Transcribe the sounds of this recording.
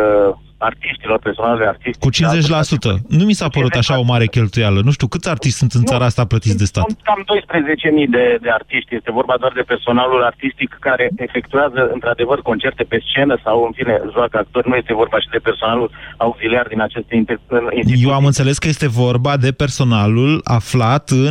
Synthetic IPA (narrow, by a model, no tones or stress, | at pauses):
art̪iʃt̪ilo̞rperso̞naluart̪ist̪kut͡ʃinnze̞t͡ʃʲlasut̪ə̰numisapəɾut̪aʃao̞maɾe̞kʲe̞lt̪ujalənuʃt̪iukɨt̪sʲart̪iʃt̪sunt̪ɨnaɾaast̪aplət̪it̪d̪e̞st̪at̪kamd̪o̞jspɾe̞ze̞t͡ʃe̞mijd̪e̞d̪e̞art̪iʃt̪ʲje̞st̪e̞vo̞rbad̪oard̪e̞pe̞rso̞nalulart̪ist̪ikːaɾe̞efe̞kt̪uazəɨnt̪ɾad̪e̞vərko̞nt͡ʃe̞rt̪e̞pe̞st͡ʃe̞nəsawɨnfineʒoakəak̚t̪o̞rʲnuje̞st̪e̞vo̞rbaʃid̪e̞pe̞rso̞nalulauɡziliard̪inat͡ʃe̞st̪insijewamɨnt̪se̞le̞skəje̞st̪e̞vo̞rbad̪e̞pe̞rso̞nalula̰flat̪ɨn